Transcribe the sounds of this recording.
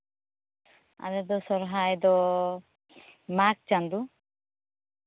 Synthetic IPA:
a̰ɾɛd̪ɔsɔɾɦajd̪ɔ | mak̚t͡ʃand̪u

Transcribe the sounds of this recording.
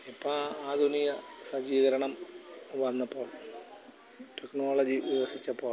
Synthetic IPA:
ipːɐaːd̪ʱunijɐsɐd͡ʑiːðɐɾɐɳɐmʋɐnːɐpːo̞ːɭ | ʈeknoːɭɐd͡ʑiʋiʋɐsit͡ɕːɐpːo̞ːɭ

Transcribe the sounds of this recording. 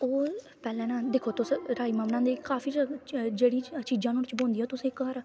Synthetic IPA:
oː | pɛːlɛ̃ːnaːd̪eːkʰoːt̪ʊsɾaːiːməmnãːd̪eːkaːfʰiːd͡ʒeːɽiːt͡ʃiːd͡ʒãːnũːɾt͡ʃbõːnd̪iːaːt̪ʊsẽːkːəɾ

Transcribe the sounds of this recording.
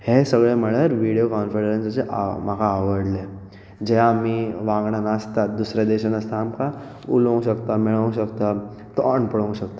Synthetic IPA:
hesəɡɭeməɭəɾʋiɽijokɔnfeɽɾensət͡ɕeʔa̰m̤akaːʋəɽle | d͡ʑeaːmiʋãŋɡɳanəst̪at̪̚d̪usɾjad̪eɕənəst̪aːmka | ulə̃w̃ɕəkt̪amiɭəw̃ɕəkt̪at̪ɔɳpəɭəw̃ɕəkt̪a

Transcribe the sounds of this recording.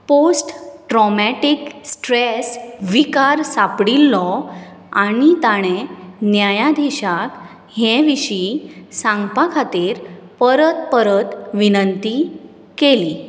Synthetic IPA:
posʈʈɾɔmɛʈiksʈɾesʋikaɾsapɽilːɔ | aɽ̃it̪aɽ̃ẽnjajad̪ʱiɕak | hɛ̃ʋiɕisãŋɡpakʰat̪iːɾ | pəɾət̪̚pəɾət̪ʋinənt̪i | keli

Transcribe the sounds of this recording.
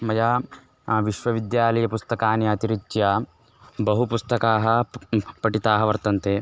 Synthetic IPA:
mɐja | ʋiʃʋɐʋid̪jaːlɐjɐpust̪ɐkaːnjɐːt̪iɾit͡ʃːjɐ | bɐɦupust̪ɐkaːɦɐpɐʈit̪aːɦɐʋɐɾt̪ɐnt̪eː

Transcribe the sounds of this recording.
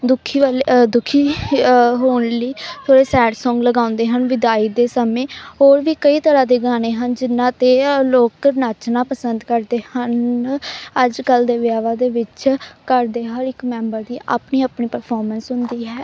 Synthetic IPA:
d̪ʊkʰːiːʋaːled̪ʊkʰiː | ɦoːnliːt̪ʰoːɽeːsɛːʈsɔ̃ːŋɡləɡaːʊ̃nd̪eːɦənʋɪd̪aːiːd̪eːsəmẽːɦoːɾʋiːkəiːt̪əɾãːd̪eːɡaːneːɦənd͡ʒɪnːãːt̪eːloːknaːt͡ʃnãːpəsənd̪kəɾd̪eːhən | əd͡ʒkəld̪eːʋjaːʋaːd̪eːʋɪt͡ʃkəɾd̪eːɦəɾɪkmɛ̃ːmbəɾd̪iːʔa̰ːpniːaːpɳiːpəɾpʰɔːɾmə̃nsɦʊnd̪iːɦɛː

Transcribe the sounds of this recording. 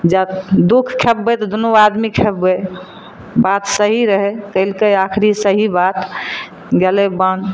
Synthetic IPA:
d͡ʒad̪ukʰkʰepːet̪ɔd̪unuad̪mikʰepːe | bat̪səɦiɾəɦek̪əɪlkəjakʰɾisəɦibat̪ | ɡelebən

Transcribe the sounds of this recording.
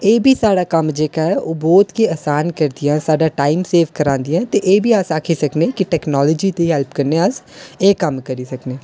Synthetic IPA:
eːbʱiːsaːɽaːkəmd͡ʒeːkaːɦɛːʔoːbɔːt̪keəːsaːnkəɾd̪ɪjãːsaːɖaːʈaːimseːʋkəɾãːnd̪ijãːt̪eːʔeːbʱiːasaːkʰiːsəknẽːkɪʈɛːknɔːlɔːd͡ʒiːt̪eːɦɛlpkəɾnẽːəseːkəmkəɾiːsəkneː

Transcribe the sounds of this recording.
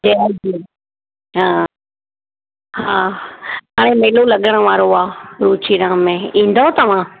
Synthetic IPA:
d͡ʑed͡ʑiː | ɦãː | ɦaːɦaːɽ̃ẽmeɦɪlolɐɠəɽ̃ə̆ʋaːɾoaːɾuːt͡ɕiɾãːmẽĩːn̆d̪ot̪ɐʋ̤ã

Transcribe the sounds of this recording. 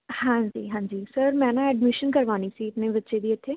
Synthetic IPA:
hãːd͡ʒḭːɦãːd͡ʒiːsəɾmɛ̃ːnaɛɖmɪʃənkɐɾʋaːnisiɪt̪nebɐtːʃed̪iet̪ʰeː

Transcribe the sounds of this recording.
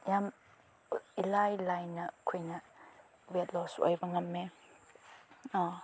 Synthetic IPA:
jam | ilajlajnɐkʰujnɐ | wet̚lɔsɔ̰jbɐŋɐmːe

